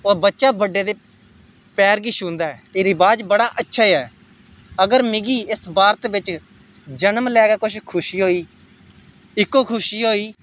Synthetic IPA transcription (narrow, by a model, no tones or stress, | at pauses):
oːbətːʃaːbəɖːeːd̪eː | pɛːɾɡɪʃũːnd̪aːɛːt̪eːɾɪbaːd͡ʒbəɽaːʔətːʃʰaːɛː | əɡəɾmɪɡiːɪsbaːɾt̪bɪt͡ʃ | d͡ʒənəmlɛːɡaːkʊt͡ʃʰkʰʊʃiːɦoːiː | ɪkːoːkʰʊʃiːɦoːiː